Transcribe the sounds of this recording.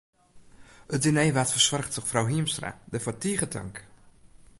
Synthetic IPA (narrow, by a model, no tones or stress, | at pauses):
ədinejʋatfərswɔrxtəxfrawɦiəmstra̰dəfɔtiːɣətʰə̰ŋk